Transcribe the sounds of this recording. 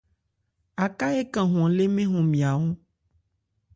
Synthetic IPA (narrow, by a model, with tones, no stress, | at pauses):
a˨ka˦e˦kã˨ɦɔ̃˨le˦mẽ˦ɦɔ̃˨mĩ˨a˨wo˦